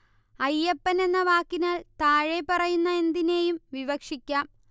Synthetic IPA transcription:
ɐjːɐpːɐne̞nːɐʋaːkːinaːlt̪aːɻe̞pɐrɐjunːɐend̪ine̞ːjumʋiʋɐkʂikʲːaːm

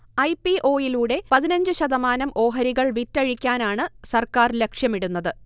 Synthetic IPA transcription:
ɐjpiʔo̞ːjiluːɽe̞pɐðinɐɲd͡ʑɨɕɐðɐmaːnɐmʔo̞ːɦɐɾiɣɐɭʋitːɐɻikʲːaːnaːɳɨsɐrkaːrle̞kʂjɐmiɽunːɐðɨ

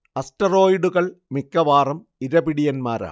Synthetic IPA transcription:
ɐstɐroːjiɖuɣɐɭmikːɐʋaːrɐm | iɾɐbiɽijɐnmaːɾa̰ː

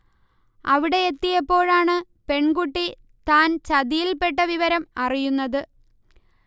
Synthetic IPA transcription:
ɐʋiɽe̞et̪ːijɐpːo̞ːɻaːɳɨ | pe̞ɳɡuʈːi | t̪aːnt͡ɕɐðijilpe̞ʈːɐʋiʋɐɾɐmɐrijunːɐðɨ

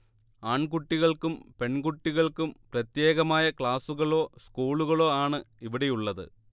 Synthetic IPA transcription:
aːɳkuʈːiɣɐɭkumpe̞ɳɡuʈːiɣɐɭkumprɐt̪je̞ːɣɐmaːjɐkɭaːsuɣɐɭo̞ːskuːɭuɣɐɭo̞ːaːɳɨiʋiɽe̞juɭːɐðɨ̰

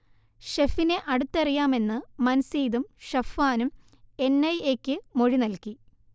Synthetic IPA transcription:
ɕefineʔɐɽut̪ːɐrijaːme̞nːɨmɐnɐsiːðumɕɐfːaːnum | e̞nːɐjekʲːɨmo̞ɻinɐlki

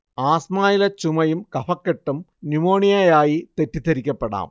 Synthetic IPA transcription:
aːsmaːjilɐt͡ɕumɐjumkɐfɐkːeʈːumnimoːɳijaːjaːjit̪etːit̪ɐɾikʲːɐpːɐɽa̰ːm

